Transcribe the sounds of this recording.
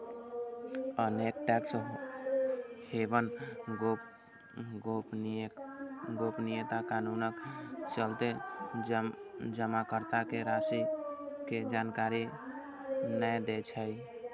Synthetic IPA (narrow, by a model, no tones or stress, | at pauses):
ənek̚ʈaks | hebən | ɡop | ɡopnijet̪akanunəkt͡ʃəlt̪e | d͡ʒəmakəɾt̪akeɾasiked͡ʒankaɾi | nəjd̪et͡ʃʰəj